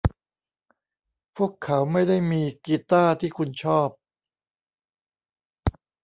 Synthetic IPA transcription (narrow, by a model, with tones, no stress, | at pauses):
pʰu˥˩əkʰːa˩˦˥wma˥˩jda˥˩jmiː˧kiː˧t̪aː˥˩t̪ʰiː˥˩kʰu˧nt͡ɕʰɔː˥˩p̚